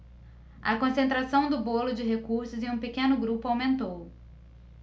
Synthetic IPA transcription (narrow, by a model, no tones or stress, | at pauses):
ɐkõsẽnt̪ɾasɐ̃w̃d̪ʊbolʊd͡ʒɪɦekuɾsʊzɪ̃ũpekẽnʊɡɾupʊawmẽnt̪ow